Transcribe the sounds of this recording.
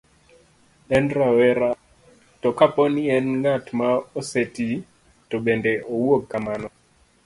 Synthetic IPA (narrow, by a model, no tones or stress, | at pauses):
ɛnɾawɛɾa | tɔkapɔniɛnŋatmaoseti | tɔɓɛndɛʔowokːamanɔ